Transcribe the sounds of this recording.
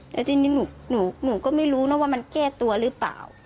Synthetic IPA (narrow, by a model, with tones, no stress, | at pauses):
t̪ɛː˨˦˥t̪i˧niː˦˥nuː˨˩˦nuː˨˩˦nuː˨˩˦kɔː˥˩ma˧˥˩jɾuː˦˥nɔ˦˥˩waː˥˩ma˧nkɛː˥˩t̪u˧ɐɾɯː˦˥pa̰ː˨˩w